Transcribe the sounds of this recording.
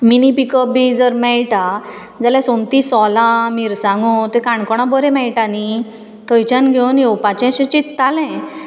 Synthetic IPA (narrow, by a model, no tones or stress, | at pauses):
minipikəp̚bid͡zəɾmɛɭʈa | d͡zaljasõmt̪isɔlãmiɾsãŋɡot̪ẽkãɳkɔɽ̃ãbəɾɛ̃mɛɭʈani | t̪əjt͡ɕãnɡʱewnjewpat͡ɕɛ̃ɕẽt͡ɕit̪ːalɛ̃